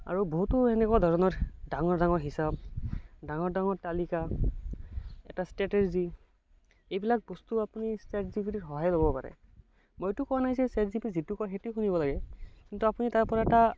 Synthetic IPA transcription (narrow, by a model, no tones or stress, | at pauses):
a̰ɹuboɦutuɛnɛkwadʱɔɹɔnɔɹdaŋɔɹdaŋɔɹɦisab̚daŋɔɹdaŋɔɹtalika | ɛ̰tastɛtɛɹzi | ejbilak̚bɔstuapunistɛtzipʰititɦɔɦajlobɔpa̰ɹɛ̰ | mojtukɔwanaɦizɛsɛtzipizitukɔxetuxunibɔlaɡɛkintuapunitaɹpɔɹaɛta